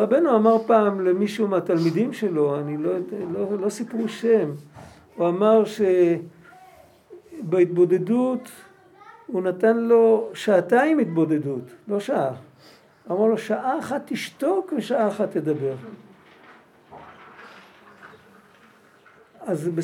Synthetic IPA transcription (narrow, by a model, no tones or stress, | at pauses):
ʁabenuamaʁpaːmlemiʃumat̪almid̪imʃe̞lo̞anilololo̞sipʁuʃe̞m | uamaʁʃe | beit̪̚bo̞d̪e̞dut | unatanlo̞ʃaːtaimitbo̞d̪e̞dutlo̞ʃaʔa | uamaʁlo̞ʃaʔaːχat̪ːiʃto̞kveʃaʔaːχat̪ːed̪abe̞ʁ | azbe